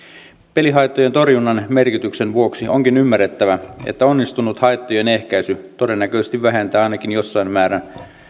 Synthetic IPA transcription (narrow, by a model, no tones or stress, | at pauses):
pe̞liɦɑjt̪ːoje̞nt̪o̞rjunːɑnme̞rkit̪yksenʋuoksiʔo̞̰ŋkinymːærːet̪ːæʋæḛt̪ːæo̞nːist̪unut̪hɑjt̪ːoje̞ne̞hkæjsyt̪o̞denːækøˑsest̪iʋʋæɦe̞nt̪æːɑˑjnɑkinjo̞sːɑimmæːɾæn